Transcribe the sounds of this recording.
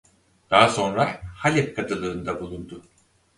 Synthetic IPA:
d̪̥aɦaso̞nɾahalʲɛp̚kʰat̪ʰɯlˠɯːnd̪abulˠund̪ʊ

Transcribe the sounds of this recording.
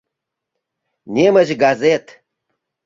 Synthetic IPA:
nʲemə̆ʑɡɑzʲet̪

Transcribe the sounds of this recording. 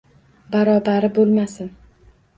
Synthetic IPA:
baɾɒbaɾɪbolˠmasɪn

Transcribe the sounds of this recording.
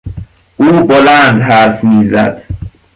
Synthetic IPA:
ʔuːbolænd̪ɦæɾfmiːzæ̰d̪̥

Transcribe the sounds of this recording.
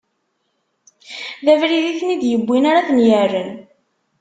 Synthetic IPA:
ðævɾiðiθnid̪jəbʷːinaɾaθənjərːən

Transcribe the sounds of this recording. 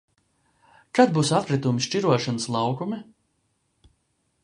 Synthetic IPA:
kad̪̚buːsat̪̚kɾit̪umisʃt͡ʃiɾuɔʃanəslˠɑwkumʲi

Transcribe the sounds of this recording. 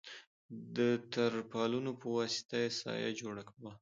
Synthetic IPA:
d̪ət̪aɾpɑlunopəwɑsɪ̥t̪ajesɑ̰ja̰d͡ʒoɽakawa

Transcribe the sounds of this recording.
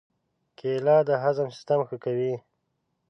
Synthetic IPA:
kelɑːd̪əɦazamsi̥st̪amxəkawi

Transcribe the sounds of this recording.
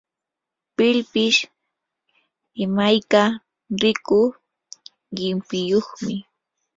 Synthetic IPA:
pɪlpɪʃ | ɪmajka | ɾɪkʊ | ɢɪmpɪjoχmɪ

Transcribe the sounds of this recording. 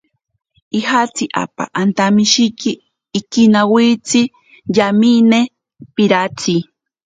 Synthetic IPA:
ihat͡siʔa̰pa̰ʔant̪amiʃikiː | kinawit͡sʰi | jamine | piɾat͡sʰi

